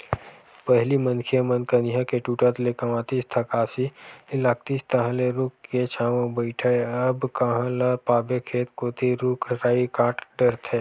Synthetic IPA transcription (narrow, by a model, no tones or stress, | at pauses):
pəɦlimənkʰijamənkəniɦãkeʈuːʈat̪lekamãːt̪ist̪ʰɐkaːsiɪlaːk̚t̪ist̪ɐɦãleɾʊkket͡ʃʰaːmãbəɪʈʰaeəbkɐɦãlapaːbekʰeːt̪koːt̪iɾʊkɾaːikãːʈɖəɾt̪ʰɦeː